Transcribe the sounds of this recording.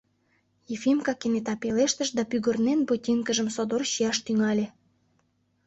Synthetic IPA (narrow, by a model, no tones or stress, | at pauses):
jefimkɑkenet̪ɑpeleʃt̪əʃd̪ɑpyɣə̆rnenbotʲiŋkəʒəmsod̪orɕiɑʃt̪yŋɑlʲe